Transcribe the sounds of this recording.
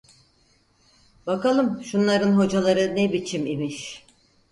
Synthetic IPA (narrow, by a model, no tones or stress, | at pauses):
bakalˠɯmʃunlˠaɾɯnɦo̞d͡ʒalˠaɾɯnebit͡ʃʰimimiʃ